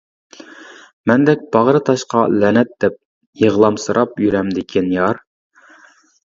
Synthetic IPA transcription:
mɛnd̪ɛk̚ʲb̥ɑʁɾɨt̪ʰɑʃqɑlɛnɛt̪̚d̪̥ɛp̚ | jeʁlˠɑmsɨɾʔɑpjyɾɛmd̪ɪkʲʰinjɑɾ

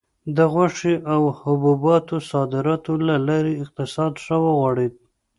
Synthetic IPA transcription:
d̪əɣaʂiʔawhʊbubɑt̪osɑd̪ɪɾɑt̪olalɑɾeɪq̚t̪ɪsɑd̪ʂawəɣwɑɽid̪

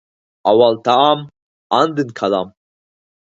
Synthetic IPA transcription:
awalt̪ʰaam | and̪ɨnkʰalam

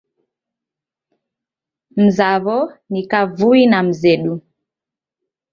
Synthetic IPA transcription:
m̩zaβɔnikavuinam̩zɛɗu

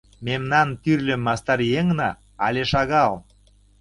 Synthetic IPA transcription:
memnɑnt̪yrlʲĕmːɑst̪ɑɾjeŋnɑ | ɑlʲeʃɑɣɑl

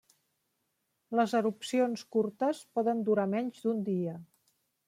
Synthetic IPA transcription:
ləzəɾupsionskuɾt̪əspɔðənd̪uɾamɛɲʲd͡ʒd̪und̪iə

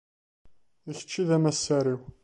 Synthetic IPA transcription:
içə̥t͡ʃːiðæmæsːæɾiw

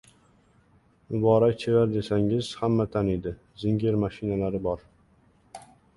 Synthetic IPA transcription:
mʊbɒːɾak̚ʲt͡ʃʰevaɾd̪e̞saŋɪz̥hamːat̪ʰaned̪ɪ | zɪŋɡʲeɾmaʃɪnalaɾɪbɒɾ

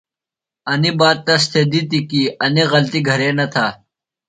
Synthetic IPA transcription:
ɐnibaːt̪̚t̪ːɐst̪ʰeːd̪it̪ikiːɐniɣɐlt̪iɡʱɐɾeːnɐt̪ʰaː

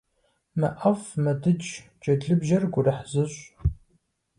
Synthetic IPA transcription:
mɐʔɐfmɐdɨd͡ʒ | d͡ʒɐdɮɨbʒɐrɡʷʊrɐħzɨɕʷʼ

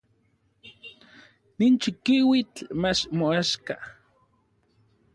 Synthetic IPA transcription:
nint͡ʃikiwit͡ɬmat͡ʃmoaʃka

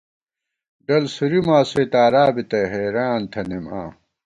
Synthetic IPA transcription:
ɖɐlsuɾimaːseːt̪aːɾaːbit̪ɐɦeːɾaːnt̪ʰɐnema̰ː

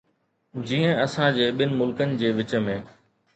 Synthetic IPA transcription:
d͡ʑiːə̃ɐsãd͡ʑeːɓɪnɪ̆mʊlkənɪ̆d͡ʑeːʋɪt͡ɕəmẽː

